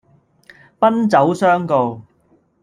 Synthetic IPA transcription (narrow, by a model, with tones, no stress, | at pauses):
pɐ˥nt͡sɐ˨˥wsœː˥ŋko˨w